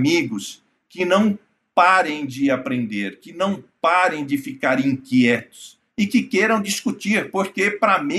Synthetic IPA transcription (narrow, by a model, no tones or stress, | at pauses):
miɡʊs | kɪnɐ̃w̃ | paɾẽj̃d͡ʒɪapɾẽnd̪eɾkɪnɐ̃w̃paɾẽj̃d͡ʒɪfikaɾĩkiɛt̪ʊ̥s | ɪkɪkejɾɐ̃w̃d͡ʒiskut͡ʃiɾpoɾkepɾamĩ